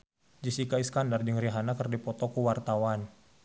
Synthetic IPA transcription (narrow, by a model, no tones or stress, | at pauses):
d͡ʒisikaiskandard͡ʒəŋɾiɦanakərdipɔt̪ɔkuwart̪awan